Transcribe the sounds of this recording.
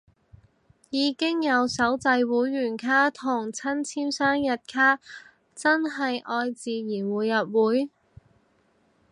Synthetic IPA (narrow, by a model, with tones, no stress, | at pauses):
jiː˨˧kɪ˥ŋjɐ˨˧wsɐ˨˥wt͡sɐ˧jwuː˨˥jːyː˨˩nkʰaː˥t̪ʰʊ˨˩ŋt͡sʰɐ˥nt͡sʰiː˥msaː˥ŋjɐ˨t̚kʰaː˥ | t͡sɐ˥nɦɐ˨jʔɔː˧jt͡siː˨˧jiː˨˩nwuː˨˩jːɐ˨p̚wuː˨˥j